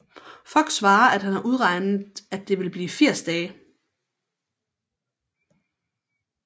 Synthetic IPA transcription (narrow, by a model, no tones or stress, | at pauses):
fɒ̽l̰ɡ̥sʋɑ̈ːɐʔæd̥hænhɑ̈ʔuð̞ˠʁɑ̈ɪnð̩ˠæd̥e̝ʋe̝lb̥liːfiɐ̰sd̥ɛː